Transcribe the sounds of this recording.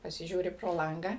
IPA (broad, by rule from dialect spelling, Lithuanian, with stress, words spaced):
pɐsʲɪˈʒʲuːrʲɪ proː ˈlˠɐŋɡɑː